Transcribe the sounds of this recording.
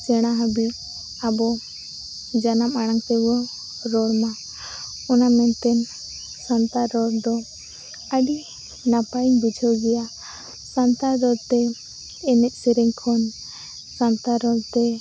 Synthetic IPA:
t͡ʃɛɽ̃aɦabiʔ | abɔ | d͡ʒanamaɽ̃aŋt̪ɛwɔ | ɾɔɽma | ɔnamɛnt̪ɛn | sant̪aɾɔɾd̪ɔ | əɖi | napaiɲbud͡ʒʱəwɡɛja | sant̪aɾɔɽt̪ɛː | nɛʔsɛɾɛŋkʰɔn | sant̪aɾɔɽt̪ɛ

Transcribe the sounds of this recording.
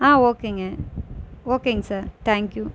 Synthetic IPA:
aːoːkɪ̃ŋɛ | oːkɪ̃ŋsaːɾt̪ʰɛ̃ːŋkju

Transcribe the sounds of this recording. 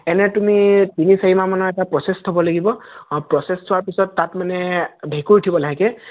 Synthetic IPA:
ɛnɛtumitinisaɦimamanɔɛtapɹɔsɛstʰɔbɔlaɡibɔpɹɔsɛstʰʊwaɹpisɔtːatmanɛbʱekuɹitʰibɔlaɦikɛ

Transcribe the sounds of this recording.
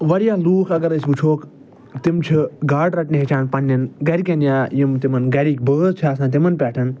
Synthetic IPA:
ʋɐɾijaːluːxɐɡɐɾɐsbut͡ʃʰoːk | t̪ɪmt͡ʃʰuɡaːɖɾɐʈniɦit͡ʃʰaːnpɐnːɐnɡɐɾikenjaːjimt̪ɪmɐnɡɐɾiːk̚bəːzt͡ʃʰaːsãːt̪̬ɪmɐnpɛːʈʰɐn

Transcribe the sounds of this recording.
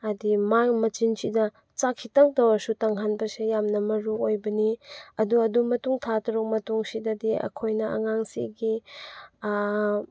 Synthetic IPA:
ɐdimaŋmɐt͡ʃinsidɐ | t͡ʃakʰːitaŋ̚tawɐsutaŋɦanbɐsejamnɐmɐɾuojbɐniɐduɐdumɐtuŋtʰatʰɐɾuk̚mɐtuŋsidɐdiɐ̰kʰojnɐɐ̰ŋaŋsḭɡi

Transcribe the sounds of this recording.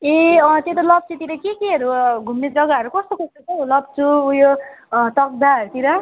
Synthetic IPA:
eʌt̪jet̪ʌlʌb̚t͡sit̪iɾʌkekeɦʌɾuɡʱumned͡zʌɡaʌɾukʌst̪okost̪ot͡sʰʌulʌb̚t͡sʰuːjot̪ʌk̚d̪aɦʌɾut̪iɾʌ

